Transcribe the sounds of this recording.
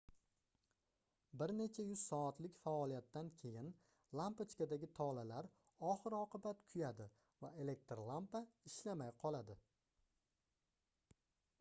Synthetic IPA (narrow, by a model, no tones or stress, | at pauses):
bɪɾne̞t͡ʃʰajʊz̥sɒat̪lɪkʲfaɒlijat̪ːankʲʰe̞jɪn | lˠampat͡ʃkʲad̪aɡʲɪt̪ʰɒlalaɾ | ɒχɨɾɒqɨbat̪kʰʊjad̪ɪ | vae̞le̞k̚t̪ɾlˠampaɪʃlamajqʰɒlˠad̪ɪ